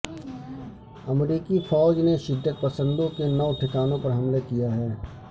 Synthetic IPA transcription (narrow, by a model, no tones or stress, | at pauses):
ɐmɾiːkifʰɔːd͡ʒneʃɪd̪ʱːət̪̚pɐsə̃nd̪õkenɐʋʈʰɪkaːnõpɐɾɦɐmlakijaɦɛː